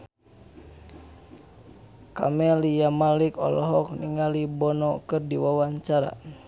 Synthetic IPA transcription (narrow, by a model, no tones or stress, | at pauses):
ka̰mɛlijamalikɔ̰lɔɦɔk̚niŋalibɔnɔkɨrdiwawaɲt͡ʃaɾa̰